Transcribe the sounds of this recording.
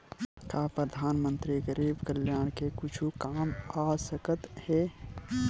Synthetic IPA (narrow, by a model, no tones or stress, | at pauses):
kapɾəd̪ʱaːnmə̃nt̪ɾiɡəɾiːbkəljaːɽ̃kekʊt͡ʃʰukaːmaːsəkət̪hɛː